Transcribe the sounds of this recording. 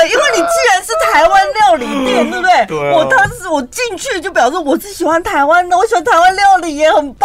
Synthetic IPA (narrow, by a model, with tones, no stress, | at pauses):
i˥nwe˥˩ɪni˨˩t͡ɕi˥˩ɻa˧˥nʂɻ̩˥˩t̪ʰa˧˥ɪwa˥nljɑ˥˩ʊli˨˥t̪ə˥˩bə˩d̪ə˥˩ɪwɔ˨˩t̪ʰa˥ʂ̩˥˩wɔ˨˩t͡ɕi˥˧ŋt͡ɕʰy˥˩˧t͡ɕjo˥˩ʊp̬jɑ˨˩ʊʂɻ̩˥˩wɔ˨˩ʈ͡ʂɹ̩˥˩ɕi˨˩xwa˧˥nt̪ʰa˧˥ɪwa˥nd̪ə˨wɔ˧˦˥ɕi˨˩xwa˥nt̪ʰa˧˥ɪwa˥nljɑ˥˩ʊli˨˧˥jɛ˧˥xə˨˩np